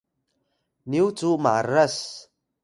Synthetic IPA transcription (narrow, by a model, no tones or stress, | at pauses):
niut͡suma̰ras